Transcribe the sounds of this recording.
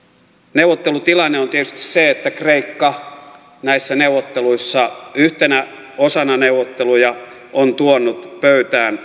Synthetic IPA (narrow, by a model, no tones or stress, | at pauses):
neuwʋˑot̪ːelut̪ilɑnːeont̪iet̪y̥st̪i̥sseet̪ːækreikːɑ | næisːæneuwot̪ːeluisːɑyht̪enæ | osɑnɑneuʋˑot̪ːelujɑ | ʔont̪uonːut̪pøyt̪æːn